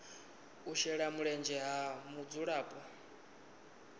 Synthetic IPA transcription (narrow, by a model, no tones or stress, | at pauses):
uʃɛɺamuɺɛnd͡ʒɛɦamud͡zuɺaːpʼɔ